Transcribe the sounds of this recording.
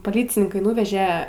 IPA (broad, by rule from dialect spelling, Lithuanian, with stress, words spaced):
poːˈlʲiːt͡sʲɪnʲɪŋkɐɪ ˈnuːʋʲɛʒʲɛ